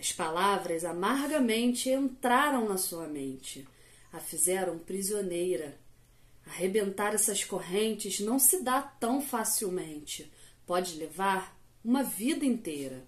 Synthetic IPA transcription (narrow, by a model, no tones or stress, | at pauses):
ɐʃpalavɾɐzamaɾɡɐmẽnt͡ʃɪẽnt̪ɾaɾɐ̃w̃nɐsuɐmẽnt͡ʃɪ | afizɛɾɐ̃w̃pɾizionejɾɐ | aɦebẽnt̪aɾɛsɐʃkoɦẽnt͡ʃɪznɐ̃w̃sɪd̪at̪ɐ̃w̃fasiwmẽnt͡ʃɪpɔd͡ʒɪlevaɾ | ũmɐvid̪ɐĩnt̪ejɾɐ